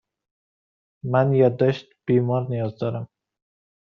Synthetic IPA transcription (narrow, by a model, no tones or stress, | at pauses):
manjɒd̪ːɒʃt̪b̥ijmɒɾnɪjɒzd̪ɒɾam